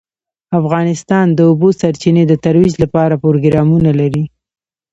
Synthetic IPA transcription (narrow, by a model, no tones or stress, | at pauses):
afɣɑnɪst̪ɑnd̪əubosaɾt͡ʃined̪ət̪aɾwid͡ʒlapɑɾapoɾoɡɾɑmunalaɾi